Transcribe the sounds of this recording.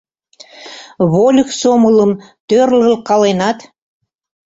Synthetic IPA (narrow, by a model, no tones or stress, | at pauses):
βolʲəksomələ̆mt̪ørləlkɑlenɑt̪